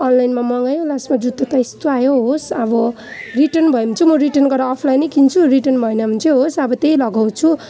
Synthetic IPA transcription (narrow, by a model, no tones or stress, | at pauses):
ʌnlajnmamʌŋajolasmad͡zut̪ːʌt̪aist̪oajoɦosʌbʌ | riʈʌnbʱʌemʌnt͡sʰumʌriʈʌnɡʌrɾaːpʰlajnʌjkint͡sʰuriʈʌnbʱʌjenʌmʌnt͡sʰeɦosʌbʌt̪ejlʌɡʱawt͡sʰu